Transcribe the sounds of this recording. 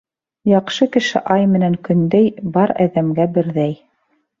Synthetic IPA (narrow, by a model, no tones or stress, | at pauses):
jɑqʃɤkɘ̆ʃɘ̰ʔɑjmɘ̆næŋkɵ̆nd̪æjbɑɾæ̰ðæmɡæbɘ̆ɾðæj